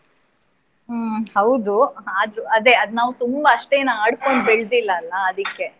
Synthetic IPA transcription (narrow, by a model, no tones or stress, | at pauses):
hɐwd̪uaːd̪ɾuɐd̪eɐd̪naːʋut̪umbɐːʂʈe̞ːnaaːɽko̞ɳɖ̚biɭd̪ilːɐːlːɐːd̪ikːe̞